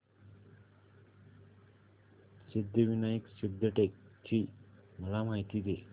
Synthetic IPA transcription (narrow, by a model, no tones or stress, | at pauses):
sid̪ːəʋinajiksibd̪əʈek̚t͡ɕʰiməlamajt̪id̪e